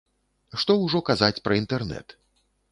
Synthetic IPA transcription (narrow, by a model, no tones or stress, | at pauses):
ʂt̪ɔwʐɔkazat͡sʲpɾɐint̪ɛrnɛ̰t̪